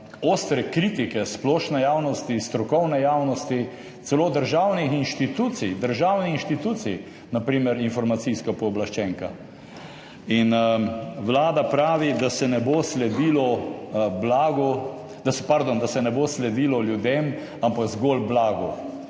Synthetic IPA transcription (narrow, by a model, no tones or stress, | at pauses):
oːst̪ɾɛkɾiːt̪ikɛsplɔːʃnɛjaːwnɔst̪ist̪ɾɔkɔwnɛjaːwnɔst̪i | sɛloːd̪əɾʒawnixinʃt̪it̪uːt̪sijd̪əɾʒaːwnixinʃt̪it̪uːt̪sḭj | napɾiːməɾinfɔɾmat̪siskapɔːblaʃt͡ʃɛːŋka | in | wlaːd̪apɾaːʋid̪asɛnɛboːslɛd̪iːlɔblaːɡɔ | d̪asɛpaɾd̪ond̪asɛnɛboslɛd̪iːlɔljud̪em | ampaɡzɡoːlblaːɡɔ